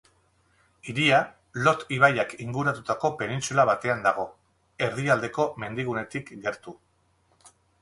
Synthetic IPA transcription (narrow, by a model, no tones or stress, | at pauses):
iɾia | lo̞t̪iβajakiŋɡuɾat̪ut̪ako̞pe̞nint͡sulaβat̪e̞and̪aɣ̞o̞ | e̞ɾðiald̪e̞ko̞me̞nd̪iɣune̞t̪ikɡe̞ɾt̪u